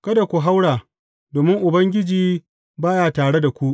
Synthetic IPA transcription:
kɐ˦da˨kʷu˨ɦa˦wɽaː˨ | doː˨mɪ˦ŋʔʊ˨bɐ˦ŋɡʲɪ˦d͡ʒiː˦ | baː˦jaː˨taː˨ɽe˦da˨kʷu˦ʔ

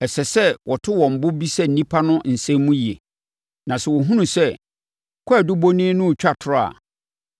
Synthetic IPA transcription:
ɛ˨sɛ˨sɛ˦wɔ˨tʰɪ˦wɔ̃˨m̩˨bʊ˦bi˦sɛ˦n̩˨nĩ˦pʰa˦nʊ̃˦n̩˨sɛ̃˦m˦mũ˦ji˨e˨ | nã˨sɛ˨wɔ˨ɦũ˦nũ˨sɛ˦˨ | kʰʷɔ˦a˨dʊ˦bo˦nĩ˦nʊ̃˦˨t͡ɕᶣa˦tʰʊ˨ʊ˦a̰˨

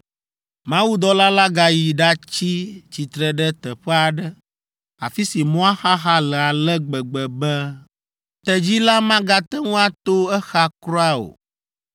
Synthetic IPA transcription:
mã˦wu˦d̪ɔ˦la˦la˦ɡa˨ji˨ɖa˦t͡ɕi˦t͡ɕi˨t̪ɾɛ˨ɖɛ˦t̪ɛ˨ɸɛ˦a˨ɖɛ˦ | a˨fi˦si˨mɔ̃˦a˦xa˦xa˦lɛ˨a˨lɛ˦ɡ͡bɛ˨ɡ͡bɛ˨bɛ˦ | t̪ɛ˨d͡ʑi˦la˦mã˦ɡa˦t̪ɛ˦ŋũ˦a˦t̪o˦ɛ˦xa˦kɾɔ˦a˦o̰˨

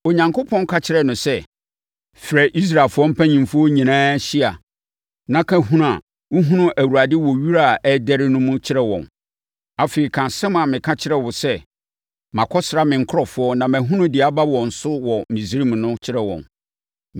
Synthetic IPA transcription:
o˨ɲã˨ŋko˦pʰɔ̃˦n˦kʰa˦t͡ɕʰɪ˨ɾɛ˨nʊ̃˨sɛ˦ | fɾɛ˨ʔi˦s̬ɾa˨e˨lfʊ˦ɔ˦m̩˦pʰæ̃˦ɲĩ˨mfʊ˦ɔ˦ɲĩ˨nãː˦ɕi˦a˨ | nã˨kʰã˦ɦũ˦a˨ | wʊ˦ɦũ˦nʊ̃˦ʔæ˨wu˨ɾa˨dɪ˦wɔ˨ɥi˦ɾa˦˨ɛ˦dɛ˦ɾɪ˦nʊ̃˦mʊ̃˦t͡ɕʰɪ˦ɾɛ˦wɔ̰̃˨n | a˨fe˨i˨kʰã˨sɛ̃˦ma˨mɪ̃˨kʰã˦t͡ɕʰɪ˦ɾɛ˦˨wʊ˨sɛ˦ | mã˨kʰɔ˦sɾa˦mɪ̃˨ŋ̩˦kʰʊ˦ɔ˨fʊ˨˦ɔ˦nã˨mæ̃˨ɦũ˦nʊ̃˦dɪ˨a˨ba˦wɔ̃˨n̩˨sʊ˦wɔ˨mĩ˨si˨˦ɾi˦m˨nʊ̃˦t͡ɕʰɪ˦ɾɛ˨wɔ̰̃˨n

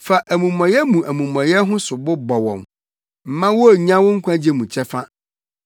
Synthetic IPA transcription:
fa˨ʔæ˨mũ˨mɔ̃˨jɛ˦mũ˨ʔæ˨mũ˨mɔ̃˨jɛ˦ɦʊ̃˦sʊ˨bʊ˦bɔ˨wɔ̰̃˨m | m̩˨mã˦wɔ˦˨ɲã˦wʊ̃˦ŋ̩˦kʰʷã˦d͡ʑi˦e˦mũ˨t͡ɕʰɛ˦fa˦

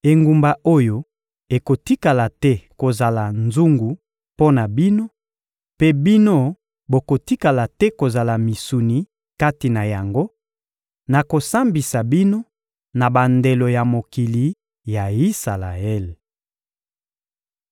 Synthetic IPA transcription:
e˨ŋɡu˨mba˨o˦jo˦ | e˨ko˨ti˦ka˨la˨tɛ˦ko˨za˨la˨nzu˦ŋɡu˨ | po˦na˨bi˦no˦ | pe˦bi˦no˦ | bo˨ko˨ti˦ka˨la˨tɛ˦ko˨za˨la˨mi˨su˨ni˨ | ka˦ti˨na˨ja˨ŋɡo˦ | na˨ko˨sa˦mbi˨sa˨bi˦no˦ | na˨ba˨nde˨lo˨ja˨mo˨ki˨li˨ | ja˨i˦sa˨la̰˨ɛ˦˨l

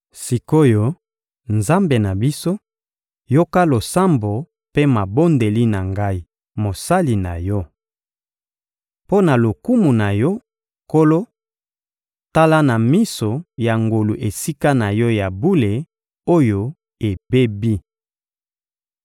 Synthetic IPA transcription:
si˨ko˦jo˦ | nza˦mbe˨na˨bi˦so˦ | jo˦ka˦lo˨sa˦mbo˨ | pe˦ma˨bo˦nde˨li˦na˨ŋɡa˦i˦ | mo˨sa˦li˨na̰˨jɔ˦ | po˦na˨lo˨ku˦mu˨na˨jɔ˦ | ko˦lo˦ | ta˦la˦na˨mi˦so˨ja˨ŋɡo˨lu˨ʔe˨si˦ka˦na˨jɔ˦ja˨bu˦le˨ | o˦jo˦ | e˨be˦bi˦

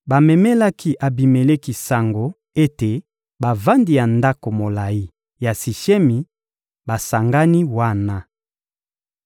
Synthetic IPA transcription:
ba˨mɛ˨mɛ˦la˦kʰi˦ʔa˨bi˨me˨le˦ki˨sa˨ŋɡo˨ | e˦te˨ | ba˨va˦ndi˨ja˨nda˦ko˨mo˨la˨i˦ | ja˨si˨ʃɛ˦mi˨ | ba˨sa˨ŋɡa˦ni˦wa˦na˦

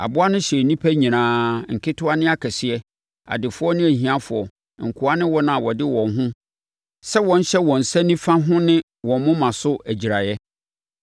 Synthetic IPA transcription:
a̰˨bʊ˦a˦nʊ̃˦ɕɛ˨nĩ˦pʰæ˦ɲĩ˨nãː˨˦ŋ̩˨kʰɪ˦tʰʊ˦a˦nɪ̃˦a˦kʰɛ˨sɪ˨ɛ˦ | a̰˨dɪ˨fʊ˦ɔ˦nɪ̃˦æ˨hĩ˨ã˦fʊ˨ɔ˨ | ŋ̩˨kʰʊ˨a˦nɪ̃˦wɔ˦nã˨a˨wɔ˨dɪ˦wɔ̃˨nɦʊ̃˦ | sɛ˦wɔ̃˨n̩˦ɕɛ˦wɔ̃˨n̩˨sɛ˦nĩ˦fã˦ɦʊ̃˦nɪ̃˦ | wɔ̃˨m˦mʊ̃˦mã˨sʊ˦æ˨d͡ʑi˨ɾa˨jɛ˦

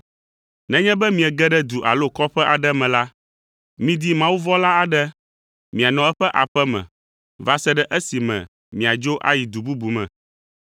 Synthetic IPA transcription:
nɛ̃˦ɲɛ̃˦bɛ˦mĩ˨ɛ˨ɡɛ˦ɖɛ˦d̪u˨ʔa̰˨lo˦kɔ˦ɸɛ˦ʔa˨ɖɛ˦mɛ̃˨la˦ | mĩ˦d̪i˦mã˦wu˦vɔ˦la˦a˨ɖɛ˦ | mĩ˨a˨nɔ̃˨ɛ˦ɸɛ˦ʔa˨ɸɛ˦mɛ̰̃˨ | va˦sɛ˦ɖɛ˦ʔɛ˦si˨mɛ̰̃˨ | mĩ˨a˨d͡ʒo˦ʔa̰˦ji˨d̪u˨bu˦bu˨mɛ̰̃˨

